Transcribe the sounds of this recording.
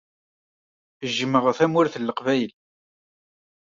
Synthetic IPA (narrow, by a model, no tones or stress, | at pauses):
əʒːəmːəʁθæmʊɾθəlːəqvæjl